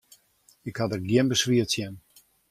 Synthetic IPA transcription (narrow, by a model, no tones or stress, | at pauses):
ɪkhadərɡjɪənbəsʋiətsjɛən